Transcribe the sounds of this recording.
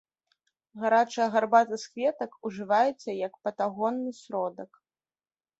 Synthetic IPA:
ɣaɾat͡ʂɨjɐɣarbat̪ɨskvʲɛt̪ɐkuʐɨvajɛt̪sɐjɐkpɐt̪aɣɔnːɨsʲɾɔd̪ɐk

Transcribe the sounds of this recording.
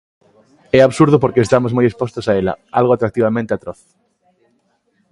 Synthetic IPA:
ɛaβsuɾðʊpoɾkeest̪amozmojespost̪ʊsaelɐ̰alɣoat̪ɾak̚t̪iβamẽnt̪eat̪ɾoθ

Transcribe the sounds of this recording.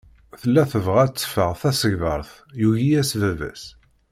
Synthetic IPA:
θəlːæθəvʁæt͡sːə̥fəʁθæsəʝðəɾˤθ | juʝijæsvævæ̰s

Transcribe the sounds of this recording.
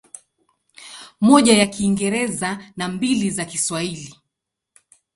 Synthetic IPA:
mɔʄajakiːŋɡɛɾɛzanambilizakiswahili

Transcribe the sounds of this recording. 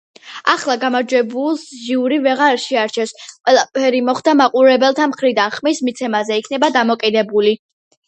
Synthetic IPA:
aχlˠaɡamaɾd͡ʒwɛbulˠsʒiuɾivɛʁaɾʃɛaɾt͡ʃʰɛsqʼwɛlˠapʰɛɾimɔχd̪amaqʼuɾɛbɛlˠt̪ʰamχɾid̪anχmismit̪sʰɛmazɛikʰnɛbad̪amɔkʼid̪ɛbuli

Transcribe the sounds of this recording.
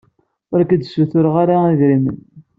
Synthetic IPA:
ʊɾækəd̪suθʊɾəʁaɾaiðɾimə̰n

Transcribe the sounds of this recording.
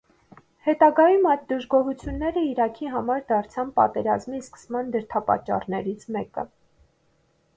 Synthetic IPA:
hɛt̪ɑɡɑjumɑjt̪̚d̪əʒɡɔɦut͡sʰjunːɛɾəiɾɑkʰiɦɑmɑɾd̪ɑɾt͡sʰɑnpɑ̰t̪ɛɾɑzmiskə̥smɑnd̪əɾt̪ʰɑpɑ̰t͡ʃːɑ̰rnɛɾit͡sʰmɛkə̰

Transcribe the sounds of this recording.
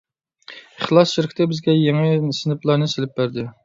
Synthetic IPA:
əχlˠɑsʃɪɾɪkʲʰt̪ɪbɪzɡʲɛjeŋɪnsɪnɪplˠɑɾnɨselɪp̚bæɾd̪ɪ

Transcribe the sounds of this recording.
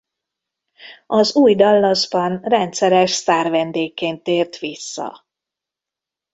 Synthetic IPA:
ɒzuːjd̪ɒlːɒzbɒnrɛnt̪sɛɾɛʃsaːrvɛnd̪eːkːeːnt̪ːeːrt̪ʋisːɒ̰

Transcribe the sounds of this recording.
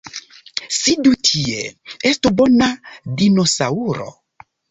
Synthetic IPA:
sidutʰieestubonadinosauɾo̰

